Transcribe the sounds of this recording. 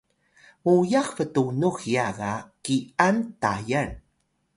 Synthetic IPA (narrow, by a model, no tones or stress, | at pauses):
mujaxfətunuxjaɣakiantajan